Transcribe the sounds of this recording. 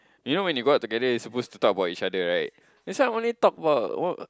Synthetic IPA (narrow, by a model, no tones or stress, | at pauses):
junowɛ̃njuɡɔt̚ːuɡɛdəisəpostut̪ɔkəbatit͡ʃadəɹaɪt̚ | ɛ̃saɔ̃nitɔk̚əbaʊtɔ